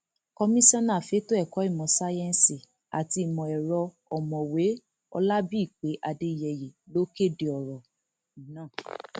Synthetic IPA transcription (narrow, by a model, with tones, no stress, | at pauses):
kɔ˧mĩ˦sɔ̃˦nã˦˨fe˨˦to˦ɛ˦˨kɔ˨˦i˦˨mɔ̃˨sa˦jɛ̃˧n˨si˨ | a̰˨ti˧˨mɔ̃˨ɛ˨ɾɔ˧ | ɔ˨mɔ̃˨we˨˦ | ɔ̰˧la˦bi˦i˦˨k͡pe˨˦ʔa˧de˧i˨jɛ˨je˨lo˦ke˦˨de˧ɔ˨ɾɔ˨ | i˨˦nãː˦˨